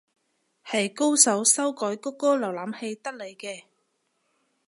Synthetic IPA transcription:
hɐ˨jko˥wsɐ˨˥wsɐ˥wkɔː˨˥jkɔ˥kːɔː˥lɐ˨˩wlaː˨˥mhe˧jt̪ɐ˥k̚le˨˧jkɛː˧

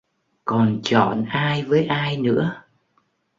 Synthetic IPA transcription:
kɔ˨˩nt͡ɕɔ˧˩nʔaː˧jvəː˨˦jʔaː˧jnɨ̰˧˥ə

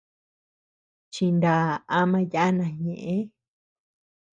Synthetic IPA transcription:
t͡ʃi˧nd̪a˨a˧mã˧ja˦ʔnã˨ɲẽ˨ʔẽ˦

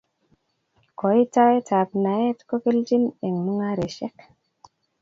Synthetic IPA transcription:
ko˨i˦ta˦e˦tʰa˨pna˨je˦tko˦ke˦ld͡ʒi˦ne˨ŋmu˦ŋa˦ɾe˨ʃɛ˦k

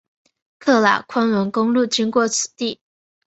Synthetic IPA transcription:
kʰɤ˥˩la̰˨˩kʰwa˥nwə˧˥nkʊ˥ŋlu˥˩t͡ɕi˥ŋkwɔ˥˩t͡sʰɹ̩˨˩t̪i˥˩

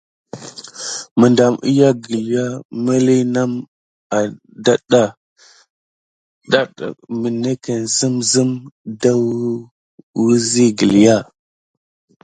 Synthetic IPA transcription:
mə˨nda˨mʔḭ˦ja˦ɡə˨li˨ja˦mə˦li˦na˦m | a˨ | da˦ɗa˨ | da˦ɗ̰mə˨ne˦kə˨nzə˦mzi˦mda˦ | wu˦zi˦ɡə˨li˨ja˦˨

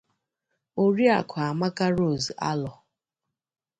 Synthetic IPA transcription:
o˦ɾi˦a̰˨kʷʰa˨a˨ma˦ka˦ɾo˦˨za̰˦lɔ˨

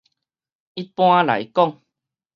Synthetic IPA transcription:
i˦t̚pw̃ã˦la̰˨˦jkɔ˥˨ŋ

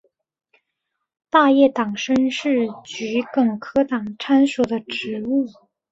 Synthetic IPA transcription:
t̪a˥˧jɛ˥˩t̪ɑ˨˩ŋʂə˥ŋʂɻ̩˥˩t͡ɕy˧˥kɤ˨˩ŋkʰɤ˥t̪ɑ˨˩ŋʈ͡ʂʰa˥nsɔ˨˩d̪ə˦ʈ͡ʂɻ̩˧˥u˥˩

